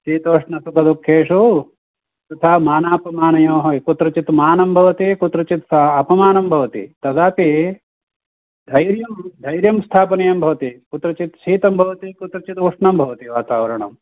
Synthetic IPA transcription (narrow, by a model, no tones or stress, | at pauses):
ʃiːt̪oːʂɳɐsukɐd̪ukʰːeːʂu | t̪ɐt̪ʰaːmaːnaːpɐmaːnɐjoːɦɐkut̪ɾɐt͡ʃit̪maːnɐmbʱɐʋɐt̪ikut̪ɾɐt͡ʃit̪sɐpɐmaːnɐmbʱɐʋɐt̪ḭt̪ɐɡaːp̪i | d̪ʱɐjɾjɐmd̪ʱɐjɾjɐmst̪ʰaːpɐnɐjɐmbʱɐʋɐt̪ikut̪ɾɐt͡ʃit̪ʃiːt̪ɐmbʱɐʋɐt̪ikut̪ɾɐt͡ʃit̪uʂɳɐmbʱɐʋɐt̪iʋaːt̪aːʋɐɾɐɳɐ̰m